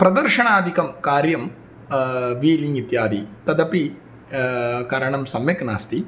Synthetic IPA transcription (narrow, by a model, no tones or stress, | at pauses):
pɾɐd̪ɐɾʂɐɳaːd̪ʱikɐmkaːɾjɐm | ʋiːliŋɡit̪jaːd̪ḭt̪ɐd̪ɐpi | kɐɾɐɳɐmsɐmjɐknaːst̪i